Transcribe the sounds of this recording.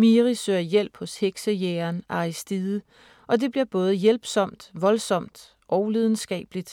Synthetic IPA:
miʁisøːɐjel̰b̥hɔ̽sheɡ̥səjeɐnʔɑ̈isd̥iðˠə | ʔɒ̽d̥e̝b̥liɐ̰b̥ɔ̽ːð̞̩ˠəjelb̥sɒ̽m̰d̥ʋɒ̽lsɒ̽m̰d̥ | ʔɒʊlið̞ˠn̩sɡ̥ɛ̰ːb̥lid̥

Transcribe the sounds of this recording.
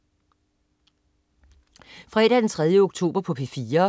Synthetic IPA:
fʁɛ̰ːɾ̥æd̥ent͡sʰʁɛð̞ˠjəoɡ̥̚t͡sʰo̝̰ːb̥ɐpʰɒ̽pʰefiːɐ

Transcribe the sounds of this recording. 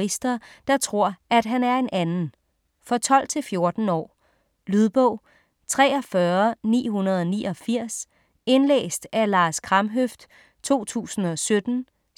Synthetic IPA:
isd̥ɐd̥ɑ̈t͡sʰʁo̝ɐ̰æd̥ɦænæɐe̝nænn̩ | fɒ̽t͡sʰɒ̽l̰t͡sʰe̝lfjo̝ɐd̥n̩ɒ̰ː | lyðˠb̥ɔʊ̰ | t͡sʰʁɛːɒfɶɐnḭːɦunɐð̞̩ˠɒ̽niːɒ̽fiɐ̰s | e̝nlḛːsd̥ælɑ̈ːskʰʁɑ̈mɦøfd̥ | t͡sʰo̝̰ːt͡sʰṵːsn̩ɒ̽sød̥n̩

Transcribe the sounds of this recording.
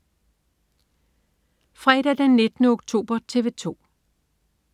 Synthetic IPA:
fʁɛd̥æd̥enːe̝d̥nəoɡ̥t͡sʰo̝̰ːb̥ɐt͡sʰe̝ʋe̝t͡sʰo̝̰ː

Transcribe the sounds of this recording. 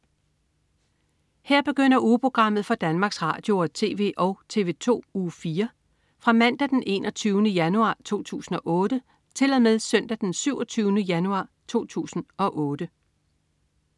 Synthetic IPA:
heɐ̰b̥e̝ɡ̥øn̰ɐʔuːpʰʁo̝ɡ̥ʁɑ̈m̰ð̞̩ˠfɒ̽d̥ænmɑ̈ːɡ̥sʁɑ̈ːd̥jo̝ɐt͡sʰe̝̰ːʋe̝̰ʔɒ̽ʊt͡sʰe̝̰ːʋe̝̰ːt͡sʰo̝̰ːufiːɐ | fʁɑ̈mæn̰d̥æd̥enʔe̝ːnʔɒt͡sʰyːʊnəjænuɑ̰̈ːt͡sʰo̝̰ːt͡sʰṵːsn̩ɒ̽ʔɔ̽ːd̥ə | t͡sʰe̝lɒmeðˠsœn̰d̥æd̥ensyʊ̰ɒt͡sʰyːʊnəjænuɑ̈ː | t͡sʰo̝̰ːt͡sʰṵːsn̩ɒ̽ʔɔːd̥ə

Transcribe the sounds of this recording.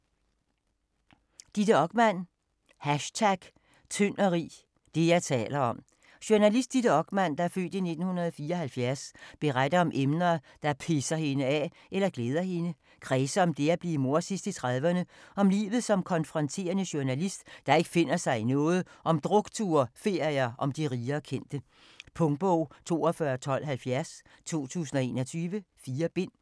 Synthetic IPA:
d̥id̥əɒ̽ɡ̥mæn̰ | hæɕt͡sʰæɡ̥ | t͡sʰøn̰ɐʁḭː | d̥e̝jɑ̈ɪt͡sʰɛ̰ːlɐɒ̽m | ɕuɐnælisd̥id̥əɒ̽ɡ̥mæn̰d̥ɑ̈æɐfø̰ːd̥ine̝d̥n̩hunɐð̞ˠɒfiːɐɒ̽hælfjæɐsb̥e̝ʁad̥ɐɒ̽mʔemnɐ | d̥ɑ̈pʰe̝sɐhe̝nəæ | ʔelɐɡ̥leːð̞ˠɐhe̝nə | ɡ̥ʰʁɛːsɐɒ̽md̥e̝æb̥lḭːmo̝ɐsisd̥it͡sʰʁaðˠʋɐnəɒ̽mlḭːʋð̞̩ˠsɒ̽mkʰɒ̽nfʁɒ̽nt͡sʰe̝̰ːɐnəɕuɐnælisd̥d̥ɑ̈e̝ɡ̥ə̥fe̝n̰ɐsɑ̈ɪinɔ̽ːð̞̩ˠʔɒ̽md̥ʁɔ̽ɡ̥t͡sʰuɐfe̝ɐ̰iɐʔɒ̽md̥iʁiːɐːkʰen̰d̥ə | pʰɔ̽ŋb̥ɔʊ̰t͡sʰo̝̰ːɒfɶɐt͡sʰɒ̽l̰ɦælfjæɐs | t͡sʰo̝̰ːt͡sʰṵːsn̩ɒ̽e̝ːnɒt͡sʰyːʋəfiːɐb̥e̝n̰

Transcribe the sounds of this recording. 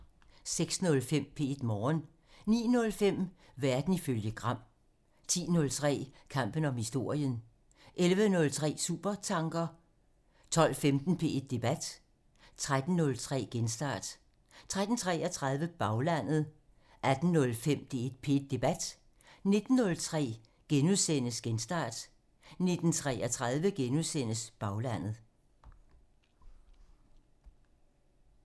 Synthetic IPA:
seɡ̥snɔ̽lfem̰pʰe̝e̝d̥mɒːn | nḭːnɔ̽lfem̰ | ʋæɐd̥n̩iføljəɡ̥ʁɑ̈m̰ | t͡sʰḭːnɔ̽lt͡sʰʁɛ̰ːkʰɑ̈m̰b̥ən̩ɒ̽mhisd̥o̝ɐ̰jən | ʔelʋənɔ̽lt͡sʰʁɛ̰ːsṵːb̥ɐt͡sʰɑ̈ŋɡ̥ɐ | t͡sʰɒ̽l̰femd̥n̩pʰe̝e̝d̥̚ːe̝b̥æd̥ | t͡sʰʁad̥n̩ːɔ̽lt͡sʰʁɛ̰ːɡ̥ensd̥ɑ̰̈ːd̥ | t͡sʰʁad̥n̩t͡sʰʁɛːɐt͡sʰʁɑ̈ð̞ˠʋəb̥ɑ̈ʊlæn̰ð̞̩ˠ | ʔæd̥n̩nɔ̽lfem̰d̥ee̝d̥̚pʰe̝d̥̚ːe̝b̥æd̥ | ne̝d̥n̩ːɔ̽lt͡sʰʁɛ̰ː | ɡ̥enuðˠsen̰əsɡ̥ensd̥ɑ̰̈ːd̥ | ne̝d̥n̩t͡sʰʁɛːæt͡sʰʁɑðˠʋəɡ̥enuðˠsen̰əsb̥ɑ̈ʊlæn̰ð̩ˠ

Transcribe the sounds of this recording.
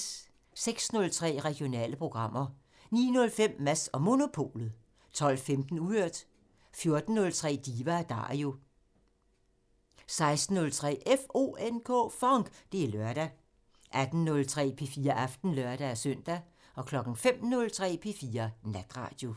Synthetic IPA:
seɡ̥snɔ̽lt͡sʰʁɛ̰ːʁɛɡ̥io̝nɛ̰ːləpʰʁo̝ɡ̥ʁɑ̈m̰ɐ | nḭːnɔ̽lfem̰ːæsɒ̽mo̝no̝pʰo̝̰ːlð̩ˠ | t͡sʰɒ̽l̰femd̥n̩uøɐ̰d̥ | fjo̝ɐd̥n̩ːɔ̽lt͡sʰʁɛ̰ːd̥iːʋææd̥ɑ̰̈ːo̝ | sɑ̈ɪsd̥n̩ːɔ̽lt͡sʰʁɛ̰ːʔefo̝̰enkʰɔ̰ːfɒŋɡ̥d̥e̝æɐlœɐɾ̥æ | ʔæd̥n̩nɔ̽lt͡sʰʁɛ̰ːpʰe̝fiːɐʔɑfd̥n̩lɶɐɾ̥ææsœn̰d̥æ | ɒ̽kʰlɒ̽ɡ̥n̩fem̰nɔ̽lt͡sʰʁɛ̰ːpʰe̝fiːɐnæd̥ʁɑ̰̈ːd̥jo̝

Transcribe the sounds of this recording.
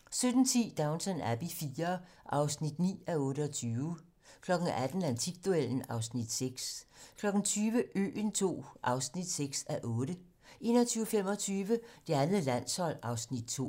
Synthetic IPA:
sød̥n̩t͡sʰḭːd̥ɑ̈ʊnsænæb̥ifiːɐ | ʔɑ̈ʊsnid̥nḭːæɔ̽ːɾəɒt͡sʰyːʊ | kʰlɒ̽ɡ̥n̩æd̥n̩lænsʰiɡ̥̚d̥uel̰n̩ɑ̈ʊsnid̥seɡ̥skʰlɒ̽ɡ̥n̩t͡sʰyːʋəʔø̰ːnt͡sʰo̝̰ːʔɑ̈ʊsnid̥seɡ̥sæʔɔ̽ːɾə | ʔe̝̰ːnɒt͡sʰyːʊfem̰ɒ̽t͡sʰyːʋəd̥e̝ænð̩ˠlæn̰shɒ̽l̰ɑ̈ʊsnid̥̚t͡sʰo̝̰ː

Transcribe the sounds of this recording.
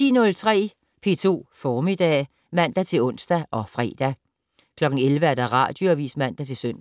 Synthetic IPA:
ḭːnɔ̽lt͡sʰʁɛ̰ː | pʰe̝ːt͡sʰo̝̰ːfɒːmid̥ɛ̰ː | mæn̰d̥æt͡sʰe̝lɔ̽n̰sd̥æʔɒ̽fʁɛ̰ːd̥æ | kʰlɒ̽ɡ̥ŋ̩elʋəæɐd̥ɑ̈ʁɑ̰̈ːd̥joæʋḭːsmæn̰d̥æt͡sʰe̝lsøn̰

